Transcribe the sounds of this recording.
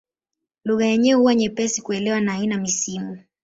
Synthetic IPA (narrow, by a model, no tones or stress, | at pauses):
luɣajɛɲɛhuwaɲɛpɛsikuɛlɛwanaːinamisimu